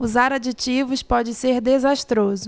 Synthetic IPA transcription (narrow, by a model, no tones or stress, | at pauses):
uzaɾad͡ʒit͡ʃivʊspɔd͡ʒɪseɾd̪ezaʃt̪ɾozʊ